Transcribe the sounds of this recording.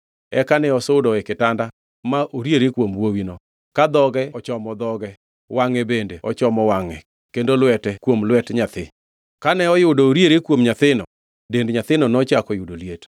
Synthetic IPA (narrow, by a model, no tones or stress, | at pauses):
ɛkanɛɔsodɔekɪtanda | maʔoɾjeɾekwomwowinɔ | kad̪ɔɡɛɔt͡ʃɔmɔd̪ɔɡɛ | waŋɛbendeɔ̰t͡ʃɔmɔwaŋɛ | kendolwɛtɛkwomlwɛtɲat̪ɪ̰ | kanɛɔjʊdoːɾjeɾekwomɲat̪ɪnɔ̰ | dendɲat̪ɪnɔnɔt͡ʃakɔjʊdoliet